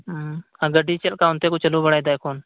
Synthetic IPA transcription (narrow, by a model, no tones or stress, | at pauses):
aɡəɖiːt͡ʃəlkaːɦʊnt̪eːkut͡ʃəlubəɽaːjd̪aːjkʰoːn